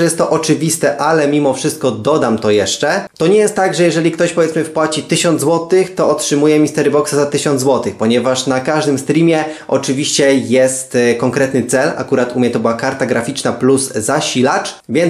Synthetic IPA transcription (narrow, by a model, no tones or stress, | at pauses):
jɛst̪ːɔʔɔt͡ʂɘvʲist̪ɛʔalɛmʲimɔfʂɨst̪̚kɔd̪ɔd̪amt̪ɔjɛʂt͡ʂɛt̪ɔɲɛjɛst̪ːt̪ːaɡʐɛjɛʐɛlʲikt̪ɔɕpɔvjɛt̪smɘfpwat͡ɕit̪ɘɕɔnd̪zwɔt̪ɘxt̪ɔɔtʂɘmujɛmʲist̪ɛɾbɔksazat̪ɘɕɔ̃nd̪zwɔt̪ɘxpɔɲɛvaʂnakaʐd̪ɘmst̪ɾʲimʲjɛʔɔt͡ʂɘvʲiɕt͡ɕɛjɛst̪kɔŋkɾɛt̪nɘt̪sɛla̰kuɾat̪umʲɲɛt̪ɔbɘwakaɾt̪aɡɾafʲit͡ʂnapluzzaɕilat͡ʂ | vʲjɛn